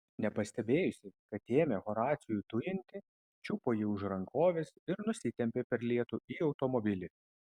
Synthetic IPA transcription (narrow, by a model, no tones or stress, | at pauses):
nʲɛpɐsʲt̪ʲɛbʲeːjʊsʲɪkɐt̪eːmʲeɣɔɾɑːt̪sʲɪjut̪ʊjɪnʲt̪ʲɪ | t͡ʃʲupoːjɪʊʒɾɐŋkoːʋʲɛsɪɾnʊsʲɪt̪ʲɛmʲpʲepʲɛɾlʲiɛt̪uːiːɒʊt̪ɔmɔbʲɪlʲɪ